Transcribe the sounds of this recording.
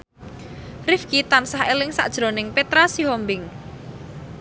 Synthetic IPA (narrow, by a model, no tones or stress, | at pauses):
rɪfkit̪ansahelɪŋsa̰ʔd̥ʒ̥ɾo̤nɪŋpet̪ɾasiɦɔmbɪŋ